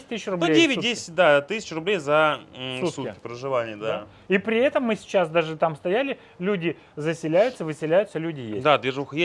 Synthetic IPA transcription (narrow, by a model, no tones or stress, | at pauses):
ɪtʲt̪ɨsɪɕrʊbnudʲevʲɪt̚ʲdʲesʲɪ̥t̚ʲd̪at̪ɨsʲɪ̥t͡ɕrʊblʲejzɐsut̪utʲɪkʲɪ̥pɾəʐɨvanʲɪjəd̪a | ipɾʲɪɛt̪əmːɨsʲɪ̥t͡ɕasd̪aʐɨt̪amst̪ɐjælʲɪ | lʲudʲɪ | zəsʲɪlʲæjʊt̪səvɨsʲɪlʲæjʊt̪səlʲʉdʲɪjḛsd̪ad̪vʲɪʐuxje